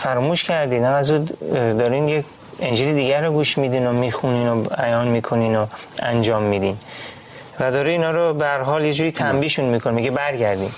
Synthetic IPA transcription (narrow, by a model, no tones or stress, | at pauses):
fæɾɔmuːʃcʰæɾd̪iːd̪æmæzuːd̪ɒːɾiːnjek | end͡ʒilid̪iːɡæɾoɡuːʃmiːd̪iːnomiːxuniːnobæjɒːnmiːkʰo̞niːno | ænd͡ʒɒːmːiːd̪iːn | væd̪ɒːɾiiːnɒːɾobeæɾɦɒːljed͡ʒuːɾiːt̪ʰæmbiːʃunmiːkʰonimiɟebæɾɟæɾd̪ḭːn